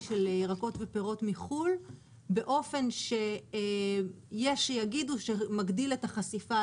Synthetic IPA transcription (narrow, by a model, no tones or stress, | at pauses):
ʃelʁako̞tvepeʁo̞tmiχul | be̞ʔo̞fe̞nʃe | jeʃejaɡiduʃemaɡdiletaχasifa